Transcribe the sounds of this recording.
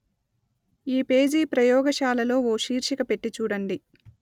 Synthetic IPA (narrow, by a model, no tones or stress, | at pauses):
iːpeːd͡ʒiːpɾɐjɔːɡɐʃaːlɐlo̞ːoːʃiːɾʃikɐpe̞ʈːit͡ʃuːɽɐɳɖi